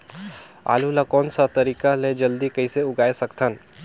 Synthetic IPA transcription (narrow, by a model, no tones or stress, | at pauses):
a̰ːlulakɔːnsat̪ɐɾiːkaled͡ʒɐld̪ikɐiseʊɡaːesɐkt̪ʰən